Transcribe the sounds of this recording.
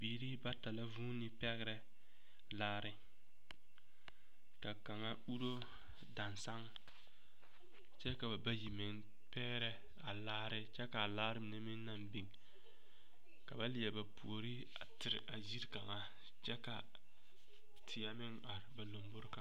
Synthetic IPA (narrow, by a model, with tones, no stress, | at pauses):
biː˨ɾi˦ba˦ta˨la˦vuː˦nɪ˦pɛ˦ɣɪ˦ɾɛ˦ | laː˦ɾɪ˦ | ka˨ka˨ŋa˦u˦ɾo˦ | da˨nsa˦ŋ | t͡ʃɛ˦ka˨ba˨ba˦ji˨mɪ˨ŋ | pɛː˦ɾɛ˦ | a˨laː˦ɾɪ˦t͡ʃɛ˦ka˨laː˦ɾɪ˦mɪ˨ne˦mɪ˦ŋ˦na˦mbi˨ŋ | ka˨ba˦lɪ˨ɛ˨ba˨pu˨o˨ɾi˦ | a˨tɪ˨ɾɪ̰˨ʔa˨zi˦ɾka˨ŋa˦ | t͡ʃɛ˦ka˨ | tʰɪ˨ja˦mɪ˦ŋa˨ɾɪ˨ba˨lo˨mbʊ˦ɾka˨˦